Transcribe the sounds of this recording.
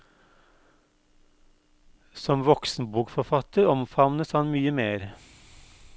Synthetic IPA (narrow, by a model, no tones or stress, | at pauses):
sɔmʋɔksnbuːkfɔfɑt̪əɾɔmfɑʋnəshɑnmyːəmeːɾ